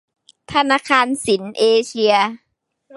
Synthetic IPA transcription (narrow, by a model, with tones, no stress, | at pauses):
t̪ʰa˧naː˧˥kʰaː˧nsi˩˦nʔeː˧t͡ɕʰi˧ɐ